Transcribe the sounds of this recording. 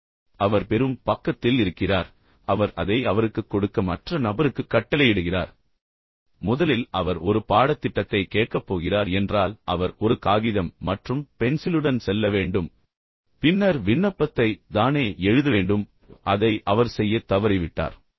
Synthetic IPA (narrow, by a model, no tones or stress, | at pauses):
ɐʋɐɾpɛɾɯmpɐkːɐt̪ːɪlɪɾɯkːɪraːɾ | ɐʋɐɾɐðɐɪɐʋɐɾɯkːɯkːɔɽɯkːɐmɐʈrɐnɐbɐɾɯkːɯkːɐʈːɐlɐjɛɽɯɣɪra̰ːɾ | mʊðɐlɪlɐʋɐɾɔɾɯpaːɽɐt̪ːɪʈːɐt̪ːɐɪkeːʈ̚kɐpːoːɣɪraːɾɛndraːlʔɐʋɐɾɔɾɯkaːɣɪðɐmːɐʈrɯmpɛnsɪlɯɽɐnsɛlːɐʋeːɳɖɯm | pɪnːɐɾʋɪɳːɐpːɐt̪ːɐɪt̪aːneːɛɻɯðɐʋeːɳɖɯm | ʔɐðɐɪʔɐʋɐɾsɛjːɐt̪ɐʋɐɾɪʋɪʈːa̰ːɾ